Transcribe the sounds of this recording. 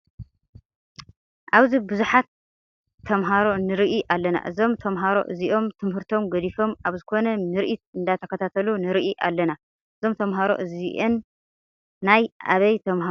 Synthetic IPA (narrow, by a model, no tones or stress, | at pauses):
ʔaβzibɨzuħat̪ʰː | ɐmɦaɾo̞nɨɾiʔiʔalːɐna̰ʔɨzo̞mt̪ʰɐmɦaɾo̞̰ʔɨziʔo̞mt̪ʰɨmɦɨɾt̪ʰo̞mɡɐd̪ifo̞maβzɨkʰo̞nɐmɨɾʔit̪̚ɨnd̪at̪ʰɐkːɐt̪ʰat̪ʰɐlunɨɾiʔiʔa̰lːɐna | ʔɨzo̞mt̪ʰɐmɦaɾo̞̰ʔɨziʔenː | aja̰βɐjt̪ʰɐmɦa